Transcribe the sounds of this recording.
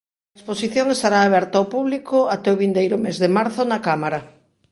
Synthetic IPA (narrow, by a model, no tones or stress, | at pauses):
ɐesposiθjoŋest̪aɾaːβɛɾt̪aopuβlikoat̪ɛʊβind̪ejɾʊmezðemaɾθʊnakamaɾɐ